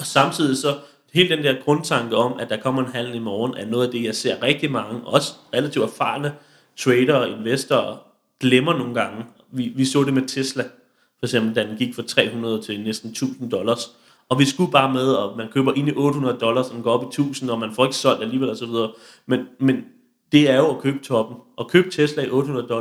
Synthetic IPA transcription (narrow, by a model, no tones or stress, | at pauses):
ɒ̽sɑ̈mt͡sʰið̞̰ˠisɒ̽ | he̝ːld̥end̥eɐɡ̥ʁɔ̽nt͡sʰɑ̈ŋɡ̥əɒ̽mæd̥ɑ̈kʰɒ̽m̰ɐe̝nɦæl̰̩imɒːnæɐno̽ːð̩ˠæd̥e̝jɑ̈ɪse̝ɐ̰ʁɛɡ̥̚d̥imɑ̈ŋəɒ̽sə̥ʁɛlæt͡sʰiʊd̥æɐfɑ̈ːnə | t͡sʰʁeːɾɐe̝nʋesd̥ɐ | ɡ̥lemɐno̝ːŋ̩ɡ̥ɑ̈ŋə | ʋiʋisɔ̰̽ːd̥e̝met͡sʰeslæ | fɒ̽ɪɡ̥sem̰b̥l̩d̥æd̥enɡ̥iɡ̥fɑ̈t͡sʰʁɛ̰ːɦunɐð̞ˠt͡sʰe̝lnesd̥n̩t͡sʰṵːsn̩d̥ɒ̽lɐs | ɒ̽ʋisɡ̥ub̥ɑ̈ːmeð̞ˠɒ̽mænkʰøːb̥ɐʔe̝niʔɔ̽ːd̥əhunɐð̞ˠd̥ɒ̽lɐsɒd̥en̩ɡ̥ɒ̰ːɒ̽b̥it͡sʰṵːsn̩ɒ̽mænfɒːe̝ɡ̥əsɒ̽l̰d̥æliːʋel̰ɒsɒʋiðˠɐ | menmen | d̥e̝æɐjo̝ækʰøːb̥t͡sʰɒ̽b̥n̩ʔɒ̽kʰø̰ːb̥t͡sʰeslæiʔɔ̽ːd̥əhunɐð̞ˠd̥ɒ̽